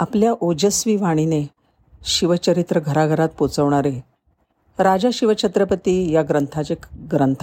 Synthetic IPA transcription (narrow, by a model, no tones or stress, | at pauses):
apljaʔod͡ʑəsʋiːʋaɽ̃ine | ɕiʋət͡ɕəɾit̪ɾəɡʱəɾaɡʱəɾat̪̚pot͡səʋɳ̃aɾe | ɾad͡ʑaɕiʋət͡ɕʰət̪ɾəpət̪iːjaɡɾənt̪ʰat͡ɕeɡɾənt̪ʰa